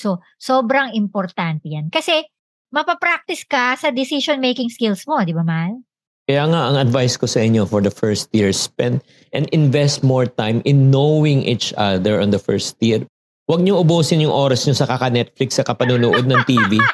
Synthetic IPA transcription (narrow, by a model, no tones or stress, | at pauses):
so | soːbɾɐŋɪmpoɾt̪ant̪ɛjankɐsɛ | mɐpɐpɾak̚t̪ɪskɐsɐd̪ɪsisonmejkɪŋskɪlsmo̞d̪ɪbamal | kɐjaːŋɐʔɐŋɐd̪vajskosɐʔɪɲofɔɹd̪ɐfɛɹst̪jɪɹspɛ̃nd̪ | ʔɛnd̪ɪ̃nvɛst̪̚mɔɹt̪ajmɪnːowɪŋʔit͡ʃɐðɛɹʔɔ̃nd̪ɐfɛ̰ɹst̪jɪɹ | wɐɡ̚ɲoʔʊboːsɪnjʊŋʔoːɾɐsɲosɐkɐkɐnɛt̪̚flɪksːɐkɐpɐnunʊʔod̪̚nɐŋt̪iːvi